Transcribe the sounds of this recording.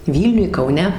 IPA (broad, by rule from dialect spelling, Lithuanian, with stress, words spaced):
ˈʋʲiːlʲnʲʊj kɐʊˈnʲɛ